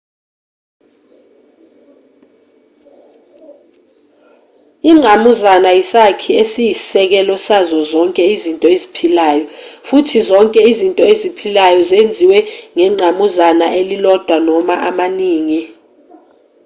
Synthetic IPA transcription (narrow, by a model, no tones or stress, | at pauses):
iŋ͡ǀʱamuzanajisakʰiesijissɛk̬ɛlɔsazɔzɔŋkʼɛizintʼɔezipʰilaːjɔfutʰizɔŋkʼɛizintʼɔezipʰilajɔzend͡zʱiwɛŋɛŋ͡ǀʱamuzanaʔelilɔd̥ʱwanɔmaʔamaniːŋi